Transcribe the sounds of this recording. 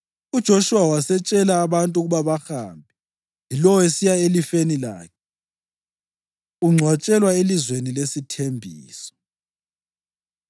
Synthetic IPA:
ud̥ʒ̥ʱoʃuwawasɛt͡ʃʼɛlaːβantʼuɣuβaβaxaːmbʱɛ | jilɔwesijaelifenila̰ːkʰɛ | uŋ͡ǀʱwat͡ʃʼɛlwaelizwenilesitʰembʱiːsɔ̥

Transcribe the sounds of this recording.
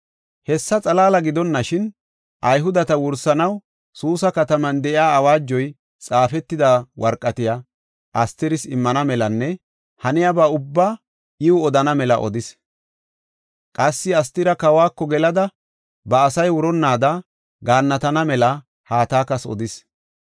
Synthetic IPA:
hɛsːɐt͡sʼɐlaːlɐɡɪd̪ɔnːɐʃɪn | ʔɐjɦʊd̪ɐt̪ɐwʊɾsɐnɐw | suːsɐkɐt̪ɐmɐnd̪ɛʔɪaːwaːd͡ʒːɔj | t͡sʼaːfɛt̪ːɪd̪ɐwɐɾkʼːɐt̪ɪja | ʔɐst̪ɪɾɪsɪmːɐnɐmɛlɐnːɛ | hɐnɪjabaʊbːaː | ʔɪʊɔd̪ɐnɐmɛlɐ̰ʔɔ̰d̪ɪs | kʼɐsːɪɐst̪ɪɾɐkɐwaːkːɔɡɛlɐd̪ɐ | bɐːsɐjwʊɾɔnːaːd̪ɐ | ɡaːnːɐt̪ɐnɐmɛlɐ | haːt̪aːkɐsɔ̰d̪ɪs

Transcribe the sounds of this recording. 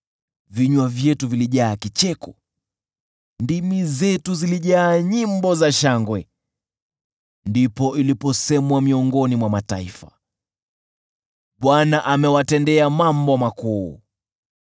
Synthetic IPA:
viɲwavjɛtuviliʄaːkit͡ʃɛkɔ | ndimizɛtuziliʄaːɲimbɔzaʃaŋɡwɛ | ndipɔʔilipɔsɛmwamiɔŋɡɔnimwamata̰ifa̰ | ɓwanaʔamɛwatɛndɛamambɔmakuː

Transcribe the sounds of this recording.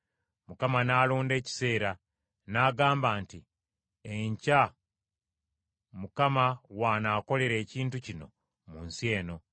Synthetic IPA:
mukamanaːloːnde̞ːci̥se̞ːɾa | naːɡaːmbaːnti | eɲca | mukamawanaːko̞le̞ɾe̞ːciːntucino̞̰ | munsje̞ːno̞

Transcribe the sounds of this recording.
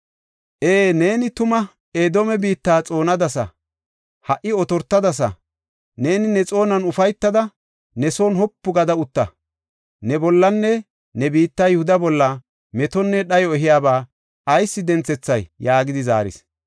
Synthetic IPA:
ʔeːne̞ːnɪt̪ʊmɐ | eːd̪oːmɛbiːt̪ːaːt͡sʼo̞ːnɐd̪ɐsɐ̰ | hɐʔɪɔt̪ɔɾt̪ːɐd̪ɐs̬ɐ̰ | ne̞ːnɪnɛt͡sʼo̞ːnɐnʊfɐjt̪ːɐd̪ɐ | nɛso̞ːnhɔpːʊɡɐd̪ɐʊt̪ːɐ̰ | nɛbɔlːɐnːɛ | nɛbiːt̪ːajʊhʊd̪ɐbɔlːɐ | mɛt̪ɔnːɛɗɐjɔɛɦɪjaːbaː | ɐjsːɪd̪ɛnt͡sɛt͡sːɐjːaːɡɪd̪ɪza̰ːɾɪ̰s

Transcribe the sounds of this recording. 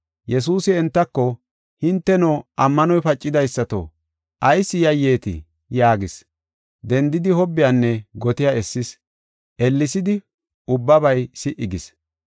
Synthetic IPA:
jɛs̬uːsɪɛnt̪ːɐkːɔ | hɪnt̪ːɛnoːʔɐmːɐnɔjpɐt͡ʃʼːɪd̪ɐjsːɐt̪o̰ | ʔɐjsːɪjɐjːeːt̪ɪ̰ | jaːɡɪs | d̪ɛnd̪ɪd̪ɪhɔbːɪjanːɛɡɔt̪ɪjaɛsːɪs | ʔɛlːɪsɪd̪ɪ | ʊbːɐbɐjsɪʔɪɡɪs

